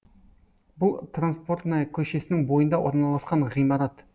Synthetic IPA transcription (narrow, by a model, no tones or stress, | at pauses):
bʊlˠt̪ranspo̞rt̪nɑkʲʰɵʃe̞sɪnɪŋbojənd̪ɑwo̞ɾnɑlˠɑsqɑɴʁijmɑɾɑt̪